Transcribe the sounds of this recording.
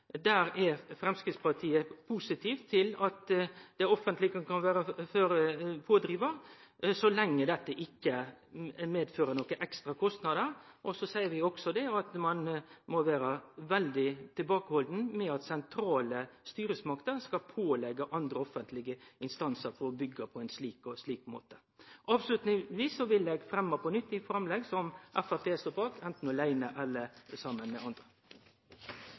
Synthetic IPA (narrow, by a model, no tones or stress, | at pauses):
d̪æːɾɛɾfɾɛmskɾɪt̪spɑt̪ʰiːəpʰusɪt̪ʰiːft̪ʰːɪlɑt̪d̪̥ɛɔfːənt̪lɪɡəkɑnʋæːɾəføːɾpʰoːd̪ɾiːʋəɾsɔlɛŋːəd̪ɛt̪ːəʔɪkːə | meːd̪føːɾənɔkːəʔɛkst̪ɾɑkʰɔst̪nɑd̪əɾʔɔsɔsæɪəɾʋɪɔksɔd̪ɛɑt̪mɑnmɔʋæːɾəʋɛld̪ɪt̪ʰɪlbɑːkəhɔld̪n̩mɛɑt̪sɛnt̪ʰɾɑːləst̪yːɾəsmɑkt̪əɾskɑlpʰoːlɛɡɑʔɑnd̪ɾəɔfənt̪ʰlɪɡəɪnst̪ɑnsəɾfɔɾɔbʏɡːɑpʰɔɛɪnsliːkɔsliːkmo̰ːt̪ə̥ | ʔɑːʋslʉt̪nɪʋiːsːɔʋɪlɛɡfɾɛmːɑpɔnʏt̪ːɪfɾɑmlɛɡsɔmʔæfæpʰeːst̪oːbɑːkɛnt̪n̩ɔlæɪnəʔɛlːəɾsɑmːənmɛ̰ɑnd̪ɾə